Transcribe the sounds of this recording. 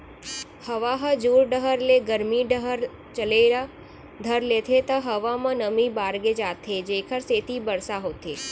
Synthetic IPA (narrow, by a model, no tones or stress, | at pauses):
həʋaɦəd͡ʒuːɾɖəɦəɾleɡəɾmiɖɦɾ | t͡ʃəleɾa | d̪ʱəɾlet̪ʰet̪ɐɦəʋamãnəmibaːɾɡed͡ʒaːt̪ʰed͡ʒeːkʰəɾseːt̪ʰibəɾsaɦoːt̪ʰeː